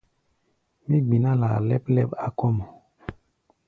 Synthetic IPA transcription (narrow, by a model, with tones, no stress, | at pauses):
mi˦ɡ͡bi˨na˦la̰˨lɛ˦plɛ˦pa˦kɔ˦mɔ˨